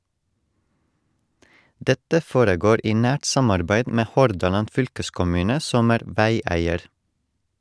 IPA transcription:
ˈdɛtə ˈfoːɾəˌɡoːɾ ˈiː ˈnæːʈ ˈsɑmɑɾbæɪd ˈmeː ˈhɔɾdɑlɑn ˈfʏlkəskʊˌmʉːnə ˈsɔm ˈæːɾ ˈʋæɪˌæɪəɾ

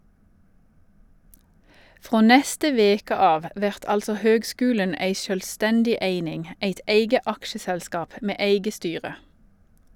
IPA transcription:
ˈfʁoː ˈnɛstə ˈʋeːkə ˈɑːʋ ˈʋæʁt ˈɑlsɔ ˈhøːɡˌskʉːlən ˈeɪ ˈʃøːlˌstɛndɪ ˈeɪnɪŋ ˈeɪt ˈeɪɡə ˈɑkʃəsɛlˌskɑːp ˈmeː ˈæɪɡə ˈstyːʁə

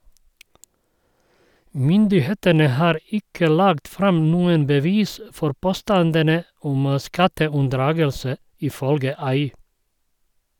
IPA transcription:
ˈmʏndɪˌheːtənə ˈhɑːɾ ˈɪkə ˈlɑːɡt ˈfɾɑm ˈnuːən bəˈʋiːs ə ˈfɔɾ ˈpoːˌstɑndənə ˈʊm ˈskɑtəʉnˌdɾɑːɡəlsə ɪˈfœlɡə ˈɑɪ

